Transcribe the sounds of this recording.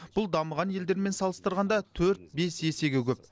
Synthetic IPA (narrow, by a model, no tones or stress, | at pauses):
b̥ʊlˠd̪ɑməʁɑnje̞ld̪e̞ɾme̞nsɑlˠəst̪əɾʁɑnd̪ɑt̪ʰɵɾt̪̚be̞sje̞se̞ɡʲekʲɵp